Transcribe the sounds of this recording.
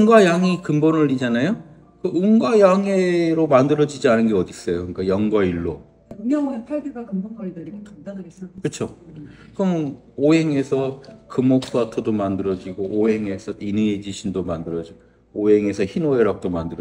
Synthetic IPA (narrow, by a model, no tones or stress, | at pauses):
ŋɡwajaŋikɯmbonɯɭːid͡ʑanajo | kɯuŋɡajaŋeɾomandɯɾʌd͡ʑid͡ʑianɯnɡeʌdis͈ʌjokɯɲik͈ajʌŋɡwaiɭːo | pʰaɡuɡakɯmodkadanɡkɯt͡ɕʰokɯm | oɦe̞ŋe̞sʰʌkɯmok̚s͈watʰodomandɯɾʌd͡ʑiɡoʔːɦe̞ŋe̞sʰʌinɯed͡ʑiɕʰindomandɯɾʌd͡ʑi | oɦe̞ŋe̞sʰʌçinoɦeɾak̚t͈omandɯɾʌ